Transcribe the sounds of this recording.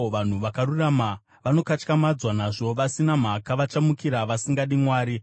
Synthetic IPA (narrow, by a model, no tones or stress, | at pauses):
ʋan̤uʋakaɾurama | ʋano̞kat͡ʃkamad͡zwanaʐo̞ʋasinam̤akaʋat͡ʃamukiɾaʋasiŋɡaɗimwaːɾi